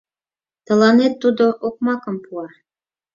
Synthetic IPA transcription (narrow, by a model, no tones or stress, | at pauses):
t̪ɤ̆lɑnet̪ːud̪oʔok̚mɑkɤ̆mpuɑ